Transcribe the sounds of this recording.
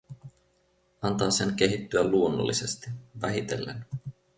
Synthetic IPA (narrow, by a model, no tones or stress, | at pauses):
ɑnt̪ɑːse̞nk̟e̞ɦit̪ːyælːuonːo̰lːise̞st̪iʋæɦit̪e̞̰lːḛn